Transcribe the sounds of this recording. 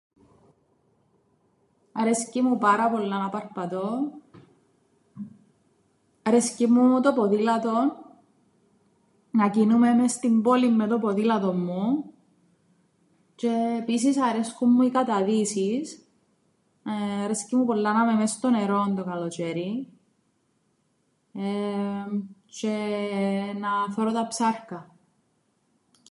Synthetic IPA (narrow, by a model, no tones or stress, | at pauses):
ɐɾescimupɐɾɐpo̞lːɐnɐpɐɾpɐt̪o̞ | ɐɾescimut̪opoðilɐt̪o̞n | ɐcinumemest̪imbo̞limːet̪opoðilɐt̪o̞mːu | t͡ʃe̞ːpis̬isɐɾesxumːuikɐt̪ɐðisis | ɾescimupolːɐnɐmemest̪o̞neɾo̞nt̪okɐlot͡ʃeɾi | e | t͡ʃe | nɐfoɾot̪ɐpsɐɾkɐ